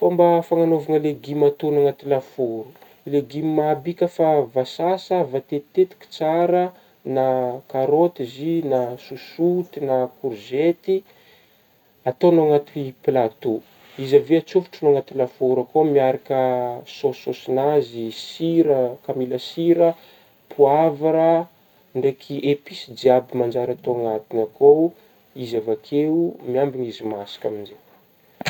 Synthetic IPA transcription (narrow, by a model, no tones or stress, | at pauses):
fambafaŋanovaŋəleɡimat̪unaŋat̪ilafoɾu | leɡimimabikʲəfavasasəvat̪et̪et̪i̥ki̥t͡saɾə | nakaɾot̪izinasusut̪inakuɾzet̪i | at̪onoaŋat̪iiplat̪u | izaveat͡sufu̥ʈ͡ʂənoaŋat̪ilafouɾakomiaɾakəsoosinazisiɾəkamiləsiɾə | pʰuavaɾa | ɳɖ͡ʐekʰiʔepisid͡ʒiabimand͡ʒaɾat̪oaŋat̪inakow | izavakʰeumiambiɲizimasi̥kaminze